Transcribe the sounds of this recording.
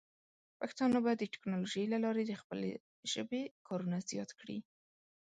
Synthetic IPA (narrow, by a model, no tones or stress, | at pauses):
pakt̪ɑnobɑjad̪ːəʈɪ̥knɑloʒəjlalɑɾed̪əxpəlḛ | ʒ̥ə̰bekʰɑɾunazjɑt̪kɽḭ